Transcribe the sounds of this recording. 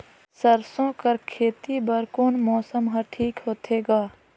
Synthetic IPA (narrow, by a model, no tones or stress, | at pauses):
sɐɾsõkɐɾkʰeːt̪ibɐɾkoːnmɔːsəmɦɐɾʈʰiːkɦoːt̪ʰeːɡaː